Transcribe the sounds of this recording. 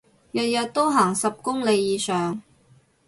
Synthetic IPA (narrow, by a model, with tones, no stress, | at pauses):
jɐ˨t̚jɐ˨t̚t̪o˥wɦaː˨˩ŋsɐ˨p̚kʊ˥ŋle˨˧jjiː˨˧sœː˨ŋ